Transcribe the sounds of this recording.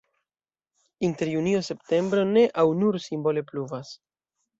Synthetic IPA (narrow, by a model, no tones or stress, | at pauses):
inte̞ɾjunio̞se̞pte̞mbɾo̞ne̞ʔawnuɾsimbo̞le̞pluvas